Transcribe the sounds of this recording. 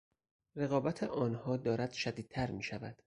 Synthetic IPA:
re̞ɣɒːbæt̪ʰeʔɒːnhɒːd̪ɒːɾæd̪̥ʃæd̪iːd̪̚t̪ʰæɾmiːʃævæ̰d̪̥

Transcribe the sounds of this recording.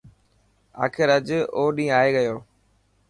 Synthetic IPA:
a̰ːkʰɪɾəd͡ʒoːɗĩːaːeːɠəjoː

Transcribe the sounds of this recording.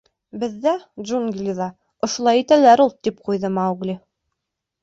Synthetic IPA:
bɘ̆ðːæd̪ʒunɡʲilʲiðɑ | ŏʃŏlˠɑjit̪ælæɾulˠt̪ip̚qujðɤmɑwɡlʲi

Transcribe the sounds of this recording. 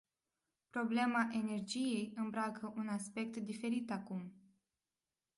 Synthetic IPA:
pɾo̞ble̞maʔe̞ne̞rd͡ʒije̞jɨmbɾakəʔunaspe̞k̚t̪d̪ife̞ɾit̪akum

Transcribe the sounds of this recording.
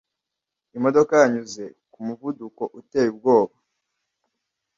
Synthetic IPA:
imo̞do̞kajaɲuze̞kumuvuduko̞ʔute̞ːjub̚ɡo̞ːβa

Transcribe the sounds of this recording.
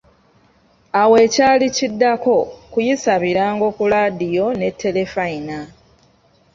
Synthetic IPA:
awe̞ːcaːlicidːako̞kujisaβiɾaːŋɡo̞ːkulaːdijo̞ne̞tʰːe̞le̞faina

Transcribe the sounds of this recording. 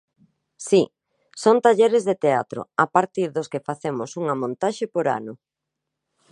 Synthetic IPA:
si | sont̪aʎeɾezðet̪eat̪ɾo̰apaɾt̪iɾðoskefaθemosuŋɐmõnt̪aʃepoɾa̰nʊ

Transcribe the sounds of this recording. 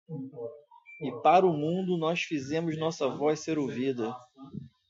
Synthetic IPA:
ɪpaɾʊmũnd̪ʊnɔsfizẽmʊznɔsɐvɔjsseɾowvid̪ɐ

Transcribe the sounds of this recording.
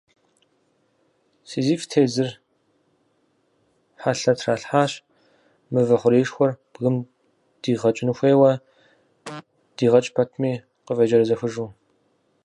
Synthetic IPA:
siːziːftʰeːzɨr | ħaɬɐtʰraːɬħaːɕʼ | mɨvɐχʷʊɾiːʂxʷɔrb̥ɣɨm | d̥iːʁɐt͡ʃʼɪnɨxʷeːwɐ | d̥iːʁɐt͡ʃʼpʰɐtʰmiː | qəvɐd͡ʒɐɾɐzɐxʷɨʒuː

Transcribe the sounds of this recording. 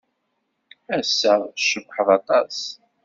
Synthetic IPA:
æsːəʁʃəbħəðɑt̪ˤɑs

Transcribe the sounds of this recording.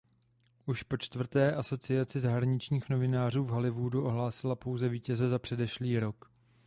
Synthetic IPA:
ʔuʃpo̞t͡ʃt̪vr̩t̪ɛːʔaso̞t͡sɪat͡sɪzaɦɾaɲɪt͡ʃɲiːxno̞vɪnaːr̝uːvɦalɪvuduʔo̞ɦlaːsɪlapo̞wzɛviːcɛzɛzapr̝̥ɛdɛʃliːɾo̞k

